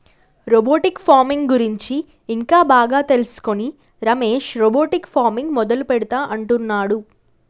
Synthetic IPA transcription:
ɾoboːʈikpʰaːmiŋɡɡuɾiɲt͡ʃiː | ŋkaːbaːɡaːt̪e̞lusu̥koni | ɾɐmeːʃɾobo̞ːʈikpʰaːɾmiŋɡmɔd̪ɐlupɛɽut̪aːʔɐɳʈunːaːɽu

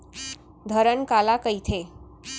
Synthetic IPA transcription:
d̪ʱəɾənkalakəit̪ʰe

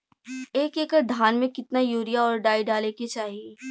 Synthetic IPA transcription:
eːkeːkəɾd̪ʱaːnmẽkɪt̪najoːɾijaɔːɾɖaːiɖaːleket͡ʃaːɦieː

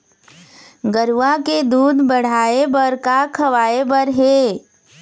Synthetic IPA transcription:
ɡəɾʋaked̪uːd̪bəɽ̤aːebɐɾkakʰɐʋaːebəɾɦeː

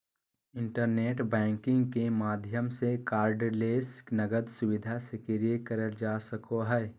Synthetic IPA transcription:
ɪ̃ɳʈəɾneːʈbɛ̃ːŋkɪ̃ŋɡkemaːd̪ʱjəmsekaːɾɖleːsknəɡəd̪sʊbɪd̪ʱasekeɾijekəɾəd͡ʒaːsəkoɦɛː

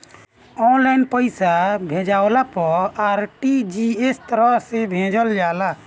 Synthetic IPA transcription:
ɔnlajnpəjsabʱẽd͡ʒawlapɔaɾʈid͡ʒiest̪ɾɔsebʱẽd͡ʒəld͡ʒala

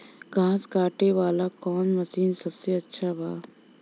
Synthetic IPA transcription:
ɡʱãːskaːʈeʋaːlakɔːnmɐsiːnsɐbseɐtːʃʰabʱaː

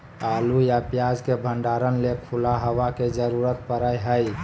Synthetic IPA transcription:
alujapjad͡ʒkebʱə̃ɳɖaɾənlekʰulaɦəʋaked͡ʒəɾuɾət̪̚pəɾəjɦəj

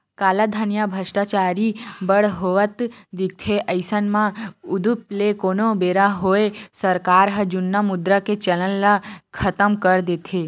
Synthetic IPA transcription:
kalad̪ʱanjabʱəʃʈat͡ʃaɾibəɭɦoʋət̪d̪iɡ̚t̪ʰeʔəjsənmãud̪up̚lekonobeɾaɦoesəɾkaɾɦəd͡ʒunːamud̪ɾəket͡ʃələnlakʰət̪əmkəɾd̪et̪ʰe

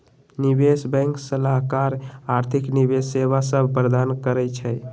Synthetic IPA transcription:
nibesbɛ̃ŋksəlaɦkaɾaɾt̪ʰiknibesːeβasəbʱpəɾd̪ankəɾɛt͡ʃʰəj

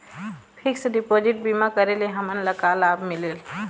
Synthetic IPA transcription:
pʰɪksɖipoːd͡ʒɪʈ̚bimakəɾeleɦəmənləkaːlaːbmɪleːl

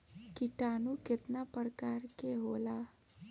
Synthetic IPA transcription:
kiʈaːnuket̪napəɾkaːɾkeɦola

